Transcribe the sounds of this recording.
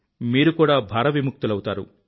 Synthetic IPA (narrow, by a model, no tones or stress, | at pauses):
miːɾukuːɽaːbʱaːɾɐʋimuk̚t̪ulɐwut̪aːɾṵ